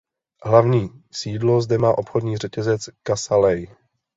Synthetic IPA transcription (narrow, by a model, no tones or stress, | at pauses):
ɦlavɲiːsiːdlo̞zdɛmaːʔo̞pxo̞dɲiːr̝ɛcɛzɛt͡skasalɛj